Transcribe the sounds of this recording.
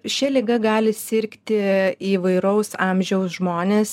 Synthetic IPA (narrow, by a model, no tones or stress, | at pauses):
ʃʲɛlʲɪɡɐɡɑːlʲɪsʲɪɾʲkt̪ʲɪiːʋɐɪɾɐʊsɑːmʲʒʲɛʊsʒmoːnʲeːs